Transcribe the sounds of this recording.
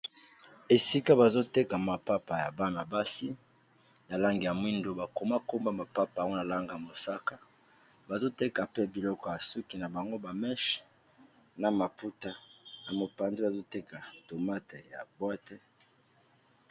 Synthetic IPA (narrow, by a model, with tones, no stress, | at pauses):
e˨si˦ka˦ba˨zo˦te˦ka˨ma˨pa˦pa˨ja˨ba˦na˨ba˦si˦ | ja˨la˦ŋɡi˨ja˨mwi˦ndo˦ba˨ko˨ma˦ko˦mba˦ma˨pa˦pa˨ŋo˦na˨la˦ŋɡa˨ja˨mo˨sa˦ka˦ | ba˨zo˦te˦ka˨pe˦bi˨lɔ˦kɔ˨ja˨su˦ki˨na˨ba˨ŋɡo˦ba˨mɛ˦ʃ | na˨ma˨pu˦ta˦na˨mo˨pa˨nzi˦ba˨zo˦te˦ka˨to˨ma˦te˨ja̰˨bwɛ˦te˦